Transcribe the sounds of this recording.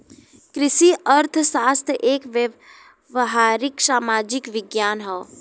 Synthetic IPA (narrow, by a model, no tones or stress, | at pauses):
kɾɪʃiʔəɾt̪ʰsaːst̪ʰjʔeːkʋjə | ʋɦaːɾɪksaːmaːd͡ʒɪkʋɪɡjaːnɦɔː